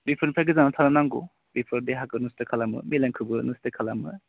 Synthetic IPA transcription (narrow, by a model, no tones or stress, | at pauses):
bipʰɯɾnpʰaɡɯzanatʰananaŋɡṵ | bipʰɔɾdeɦakɯnustɯkʰalamɯ̰milaŋkʰɯbɯnustɯkʰalamɯ